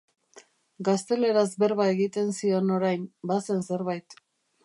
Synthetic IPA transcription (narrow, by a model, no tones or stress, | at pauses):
ɡast̪e̞le̞ɾazbe̞ɾβae̞ɣit̪e̞nsio̞no̞ɾajnbase̞nse̞ɾβajt̪